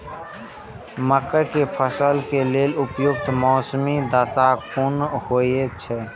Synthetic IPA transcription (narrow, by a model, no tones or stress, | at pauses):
məkəkepʰəsəlkeleːlʊpjʊk̚t̪mɔːsmid̪əsakunhoet͡ʃʰɛ